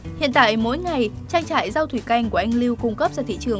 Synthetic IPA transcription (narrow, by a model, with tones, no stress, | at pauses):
hḭ˧˨ənt̪a̰ː˧˨jmo̰˧˥jŋa˨˩j | t͡ɕaː˧ŋt͡ɕa̰ː˧˨jza˧wt̪ʰwi˧˩ka˧jŋ̟ku˧˩əʔa˧ŋ̟li˧wkʊ˧ŋ͡mkə˦˥p̚zaː˧t̪ʰḭ˧˨t͡ɕɨ˨˩əŋ